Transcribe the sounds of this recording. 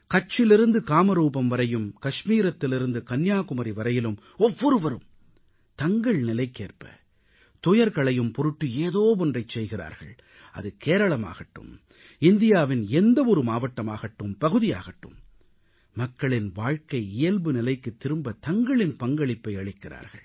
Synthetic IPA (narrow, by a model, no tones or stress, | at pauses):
kɐt͡ʃːɪlɪɾɯnd̪ɯkaːmɐɾuːbɐmʋɐɾɐjɯmkɐʂmiːɾɐt̪ːɪlɪɾɯnd̪ɯkɐnjaːkʊmɐɾiʋɐɾɐjɪlɯm | ɔʋːɔɾɯʋɐɾɯm | t̪ɐŋɡɐɭnɪlɐɪkːeːrpɐ̰ | t̪ɔjɐɾɣɐɭɐjɯmpɔɾɯʈːɯeːðoːpɔndrɐɪt͡ʃsɛjɣɪra̰ːɾɣɐ̰ɭ | ɐ̰ðɯkeːɾɐɭɐma̰ːɣɐʈːɯ̰m | ɪnd̪ɪjaːʋɪnɛnd̪ɐʋɔɾɯmaːʋɐʈːɐmaːɣɐʈːɯmpɐɣɯðɪja̰ːɣɐʈːɯ̰mː | ɐkːɐɭɪnʋaːɻkɐɪɪjɐlbɯnɪlɐɪkːɯt̪ːɪɾɯmbɐt̪ɐŋɡɐɭɪnpɐŋɡɐɭɪpːɐɪɐɭɪkːɪra̰ːɾɣɐ̰ɭ